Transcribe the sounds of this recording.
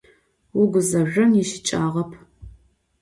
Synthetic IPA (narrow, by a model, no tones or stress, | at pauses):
wʊɡʷʊzɐʒʷɐmjiʃɪ̥t͡ʃʼaːʁɐpʰ